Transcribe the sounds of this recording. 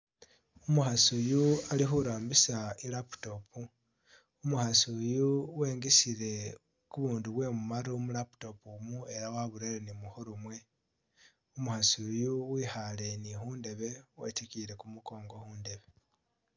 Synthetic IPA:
umuxasujualixuɾaːmbisailapu̥to̞pu | umuxasujuweːŋɡesiɾe̞ | kuβuːnduβwe̞mumaɾumulapu̥to̞pumue̞ɾawaβuɾeɾenimuxoɾumwe̞ | umuhasujuwiːxale̞nixuːnde̞βe̞wḛtekiɾe̞kumuko̞ːŋɡo̞xuːnde̞βe̞

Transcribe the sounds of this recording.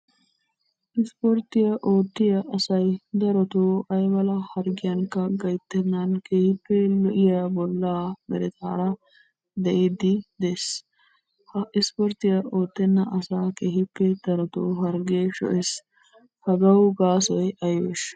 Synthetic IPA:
ʔɪspɔɾt̪ɪjɐʔoːt̪ːɪjɐʔɐsɐjd̪ɐɾɔt̪oːɐjmɐlɐhɐɾɡɪjɐŋkɐɡɐjt̪ːɛnːɐnkeːhɪpːɛlɔʔɪjɐbɔlːaːmɛ̰ɾɛt̪ʰa̰ːɾɐ | d̪ɛʔid̪ɪd̪es | hɐɪspɔɾt̪ɪjɐʔoːt̪ːɛnːɐʔɐsaːkeːhɪpːɛd̪̥ɐɾɔt̪oːɦɐɾɡeːʃɔ̰ʔɛs | hɐɡɐwɡaːsɔjɐjḛʃ

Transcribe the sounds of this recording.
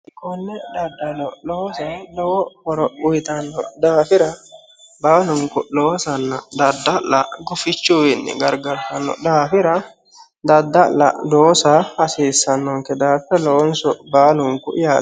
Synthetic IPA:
ɪkʼːɔnːɛd̪ɐd̪ːɐlɔlɔwsɐlɔwɔhɔɾɔʊjt̪ɐnːɔ̰d̪aːfɪɾɐ | baːlʊŋkʊloːsɐnːɐd̪ɐd̪ːɐlːɐ̰ɡʊfɪt͡ʃːʊwɪnːɛ̰ɡɐɾɡɐɾfɐnːɔ̰d̪aːfɪɾɐ | d̪ɐd̪ːɐlːɐ̰d̪oːsɐhɐseːsːɐnːɔŋkɛd̪aːfɪɾɐlɔwɔnsɔbaːlʊŋkʊ̰ʔɪjaː

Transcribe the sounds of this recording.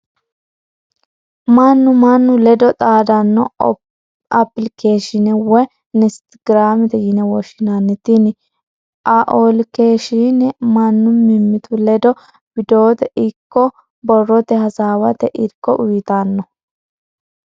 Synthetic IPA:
mɐnːʊmɐnːʊlɛd̪ɔt̪ʼaːd̪ɐnːɔ | ɐpːɪlkeːʃɪnɛwɛ | nɪst̪ɡɾaːmɪt̪ɛjɪnɛwɔʃɪnanːɛt̪ːɪnɪ | ʔaʔolkeːʃinɛmɐnːʊmɪmːɪt̪ʰʊlɛd̪ɔ | b̥ɪd̪o̞ːt̪ɛʔɪkːɔ | bɔrːɔt̪ɛhɐsaːwɐt̪ɛʔɪɾkːɔʔʊjɪt̪anːɔ

